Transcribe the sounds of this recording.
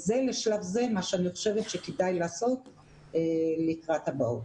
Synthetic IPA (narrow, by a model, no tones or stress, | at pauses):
ze̞leʃlavze̞maʃeaniχoʃe̞vet̪ʃekedajlaːso̞t̪ | elikʁat̪habaut